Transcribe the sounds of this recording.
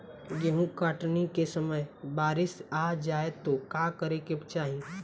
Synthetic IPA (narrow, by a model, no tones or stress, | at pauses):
ɡeɦũkaːʈnikesəməjbaːɾɪsaːd͡ʒaːet̪okaːkəɾekept͡ʃaːɦĩ